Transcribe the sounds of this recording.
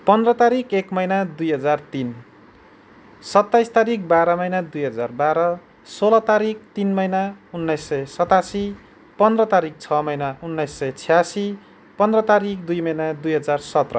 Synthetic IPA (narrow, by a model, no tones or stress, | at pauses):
pʌnd̪rʌt̪aɾikʰekmʌjnad̪ujɦʌd͡zart̪in | sʌt̪ːajst̪aɾik̚baɾʌmʌjnad̪ujɦʌd͡zarbaɾʌ | solʌt̪aɾik̚t̪inmʌjnaunːʌjsːʌjsʌt̪asi | pʌnd̪rʌt̪aɾik̚t͡sʰʌmʌjnaunːʌjsːʌjt͡sʰijasi | pʌnd̪rʌt̪aɾikd̪ujmʌjnad̪ujɦʌd͡zarsʌt̪rʌ̰